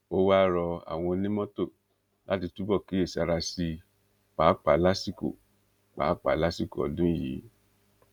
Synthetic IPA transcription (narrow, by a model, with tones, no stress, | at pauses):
o˦wa˦ɾɔ˧a̰˨w̃ɔ̃˧nĩ˦mɔ̃˦to˦˨ | lʔa̰˦ti˧tu˦bɔ˦˨ki˨˦e˦˨sa˧ɾa˧si˧ | k͡pa˨˦k͡pa˨˦la˦si˦ko̰˦˨ | k͡pa̰˨˦k͡pa̰˨˦la˦si˦ko˦ɔ̰˨dũ˦jḭ˨˦